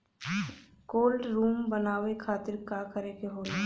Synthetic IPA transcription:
koːlɖɾuːmbənaːʋekʰaːt̪ɪɾkakəɾekeɦoːl

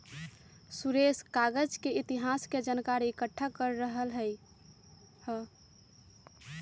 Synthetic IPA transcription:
suɾeskaɡəd͡ʒkeit̪iɦasked͡ʒənkaɾiikəʈʰːakəɾːəɦəlɦəj | hə

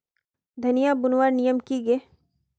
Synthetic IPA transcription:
d̪ʱɐnijabʊnwaːɾnijəmkiɡəː

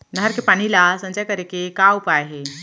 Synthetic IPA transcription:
nəɦəɾkepaɽ̃ilasə̃nd͡ʒəjkəɾekekaupajɦe

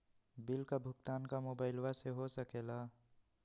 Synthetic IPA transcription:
bɪlkabʱʊkt̪aːnkamoːbaːɪlʋaseɦosəkeːlaː

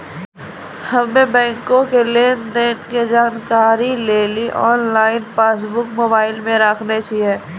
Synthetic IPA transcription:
həmẽbɛ̃ːŋkõkeleːnd̪enked͡ʒaːnkaːɾileːliʔɔːnlaːɪnpeːs̬bʊkmoːbaːɪlmẽɾaːkʰnet͡ʃieː

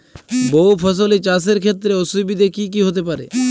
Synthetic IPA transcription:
boupʰəs̬olit͡ʃas̬eɾkʰet̪ɾeosubid̪ʱekik̬iɦot̪epaɾḛ

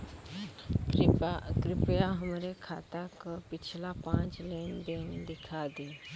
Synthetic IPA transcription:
kɾipjaɦəmɾekʰat̪akəpit͡ɕʰlapãt͡slenbend̪ikʰad̪i

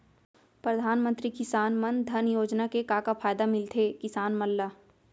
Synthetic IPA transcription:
pɾəd̪ʱaːnmə̃nt̪ɾikɪsaːnmə̃nd̪ʱɐnjoːd͡ʒnakekaːkapaːjd̪amɪlt̪ʰekɪsaːnmɐlːaː

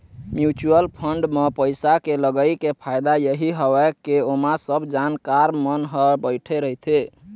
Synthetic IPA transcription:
mjut͡ʃuəlpʰəɳɖmepəjsakeləɡəjkepʰajd̪ajəɦiɦəbɛkeomasəbʱd͡ʒankaɾmənɦəbəɪʈʰɛɾəɦit̪ʰe

